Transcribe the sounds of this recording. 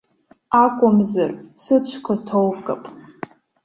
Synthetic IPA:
akʷʼʊmzarsɨt͡ɕʷʰkʷʰatʰowpkʼapʼ

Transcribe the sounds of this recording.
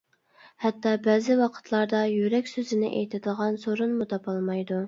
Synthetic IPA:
hɛt̪ːɑbæːzɪwɑqʰə̥t̪ʰlˠɑɾd̪ɑjyɾɛkʲsøzɪnɪʔḛjt̪ʰɪd̪əʁɑnsoɾunmut̪ɑpɑlˠmɑjd̪u

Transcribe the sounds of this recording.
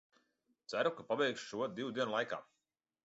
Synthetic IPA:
t̪sæɾukapabɛjkʃʃuɔd̪iwd̪iɛnlˠajka̰ː

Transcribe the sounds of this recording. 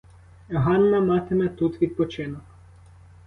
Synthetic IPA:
ɦɑnːɐmɑt̪emɛt̪ut̪ʋʲid̪̚pɔt͡ʃɪnɔk

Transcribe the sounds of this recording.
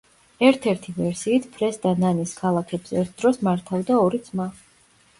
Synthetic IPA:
ɛɾt̪ʰɛɾt̪ʰivɛɾsiːt̪ʰpʰɾɛsd̪ananiskʰalˠakʰɛbz̥ɛɛɾt̪ʰd̪ɾɔsmaɾt̪ʰavd̪aɔɾid̪sʰma

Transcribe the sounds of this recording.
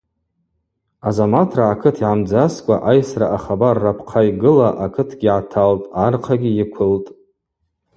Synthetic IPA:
azamatʰraakʰɨtʰiʕamd͡zaskʷʼa̰ʔajsra̰ʔaχabarːapʰqʰajɡɨlaʔakʰɨtʰɡʲiʕatʰaltʼarqʰaɡʲiɪkʷʰʊltʼ

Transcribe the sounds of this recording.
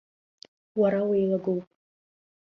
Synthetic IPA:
waɾawejlaɡowpʼ

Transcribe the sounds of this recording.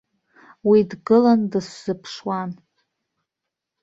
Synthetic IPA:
widɡɨlandɨsz̥ɨpʰʂwan

